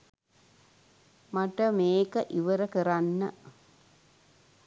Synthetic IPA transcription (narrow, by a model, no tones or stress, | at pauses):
mɐʈːɐmeːkɐʔiʋɐɾɐkəranːɐ̰